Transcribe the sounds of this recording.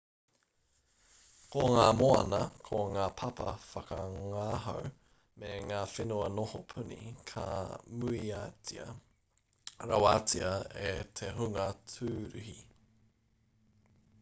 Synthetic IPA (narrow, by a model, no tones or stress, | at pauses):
koŋaːmoɐ̰nɐkʰoŋaːpʰɐpɐ̰fɐkɐŋaːɦo̰w | meŋaːfenuɐnohopʰʉnḭkʰa̰muiat͡siɐ̰ | ɾɐwaːt͡siɐetʰeɦuŋɐt͡sʰʉːɾʉhi